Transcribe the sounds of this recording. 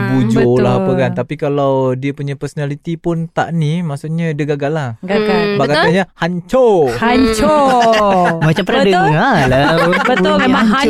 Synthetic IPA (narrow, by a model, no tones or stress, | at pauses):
bud͡ʒolahapəkant̪apikalawdiəpuɲapərsonalit̪ipʊnt̪a̰ʔnimaʔsuʔɲaidəɡaɡalahɡaɡalbakat̪aɲahaɲt͡ʃohaɲt͡ʃo | mat͡ʃampəɾdəalabət̪ʊlmemaŋɦa